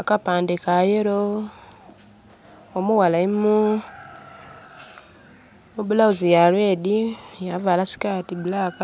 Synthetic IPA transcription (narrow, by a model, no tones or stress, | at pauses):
akapaːndekajeɾo | omuwalaimu | mubulauzijalwedijavalasi̥katibulaka